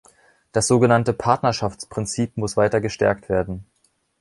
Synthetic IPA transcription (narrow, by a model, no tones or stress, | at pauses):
d̥asz̥oːɡənantəpʰaɐtnɐʃaft͡spʁ̥ɪnt͡siːpmʊsv̥aɪtɐɡəʃtɛ̰ɐk̚tv̥eːɐdn̩